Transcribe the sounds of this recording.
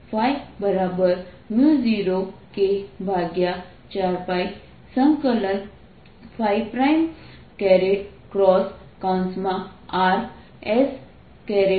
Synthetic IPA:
pʰajbəɾabəɾ | muziːɾokebʱaːɡja | t͡ɕaːɾpaːj | sə̃ŋkələn | pʰaːjpɾajm | kɛɾeʈ̚ | kɾɔːs | kawnsmãaːɾ | ɛs | kɛɾe

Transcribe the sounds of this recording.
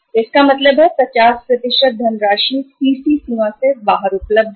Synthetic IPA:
ɪskamɐt̪ləbɦɛpɾɐt͡ʃaːspɾɐt̪ɪʃət̪̚d̪ʱɐnɾaːʃisiːsisũʋãsebaːɦəɾʊpləb̚d̪ʱ

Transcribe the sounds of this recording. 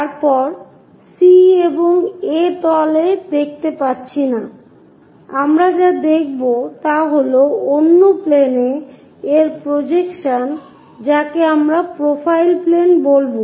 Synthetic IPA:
t̪aɾpɔɾ | sieboŋet̪ɔled̪ek̚ʰt̪epaɾt͡ɕʰina | amɾad͡ʑad̪ek̚ʰbot̪aɦoloonːopleneː | ɾpɾod͡ʑekʃan | d͡ʑakeamɾapɾofʰajlplenbolbo

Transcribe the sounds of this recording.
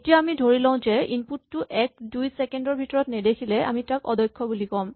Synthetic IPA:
tijaːmidʱoɹilãʊ̃zɛinputːʊʔɛk̚dujsɛkendɔɹbʱitɔɹɔtnɛdekʰilɛa̰mitakɔdɔjkʰːɔbulikɔm

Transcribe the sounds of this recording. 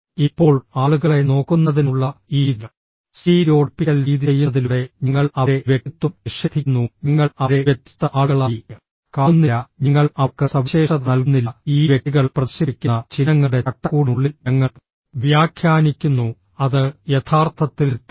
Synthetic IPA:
ipːo̞ːɭaːɭuɣɐɭe̞no̞ːkːunːɐðinuɭːɐiː | siːɾo̞ːʈpiɣɐlɾiːðjejːuðiluɽe̞ɲiŋːɐɭɐɾe̞ʋjekːit̪ːumiʂɐd̪ʰʱikːnːuɲiŋːɐɭɐɾe̞ʋjet̪ːjɐ̥t̪ːɐʔaːɭɭa | kaːunːijɐɲiŋːɐɭɐkːɨsɐʋɐɕeːʂɐnɐlkunːilːɐiːʋjeʈːiɣɐɭprɐðiɕibikʲːuɐt͡ɕinɐŋːɐɽe̞ɐʈːɐkuːɽuɭːilɲɐŋːɐ | ʋjaːkʰjaːnikʲːunːu | ɐðɨje̞t̪ʰaːrt̪ʰɐt̪ːilt̪ː

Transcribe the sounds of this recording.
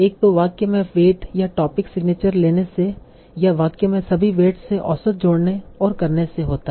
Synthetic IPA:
eːk̚t̪oʋaːkemẽʋeːʈjaʈɔːpɪksɪɡneːt͡ʃəɾleːnese | jaʋaːkemẽsɐbʱiʋeːʈseʔɔːsət̪̚d͡ʒoːɽneɔːɾkɐɾneseɦoːt̪a

